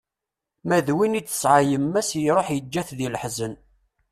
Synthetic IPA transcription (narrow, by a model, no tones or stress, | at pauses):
mæðwinit͡sːə̥sʕajəmːæsjɾˤoħjəd͡ʒːæθðiləħzən